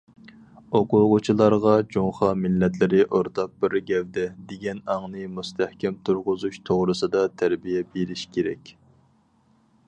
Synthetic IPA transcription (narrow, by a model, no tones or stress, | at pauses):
oqʊʁʊt͡ʃʰilˠɑɾʁɑd͡ʒoŋχɑmɪlːɛt̪lɪɾɪʔoɾt̪ʰɑq̚bɪɾɡʲɛwd̪ɛd̪eɡʲɛnɑŋnɨmust̪ʰæhkʲɛmt̪ʰuɾʁʊzuʃt̪ʰoʁɾɨsɨd̪ɑt̪ʰæɾbijɛbeɾɪʃkʲʰeɾɛ̰kʲ